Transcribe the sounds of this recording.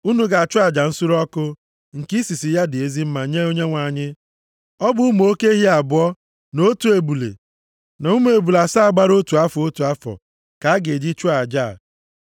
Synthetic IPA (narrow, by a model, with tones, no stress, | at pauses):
u˦nu˦ɡa˨a˨t͡ʃʊ˦a˨d͡ʒa˨n̩˦su˦ɾɔ˦kʊ˦ | ŋ̩˨ki˦si˨si˨ja˦dɪ˨e˦zi˦m̩˦ma˨ɲe˦o˦ɲe˦ŋʷa˨ɲɪ˦ | ɔ˦bʊ˨˦m˨o˦ke˦ɦi˦a˨bʊ˨˦ɔ˦ | no˦tu˦e˨bu˨lḛ˨ | na˨u˦m˦e˨bu˨la˨sa˦a˨ɡ͡ba˦ɾo˦tu˨a˦fɔ˨o˦tu˨a˦fɔ̰˨ | ka˨a˦ɡe˨di˦t͡ʃʊ˦a˨d͡ʒa̰˦˨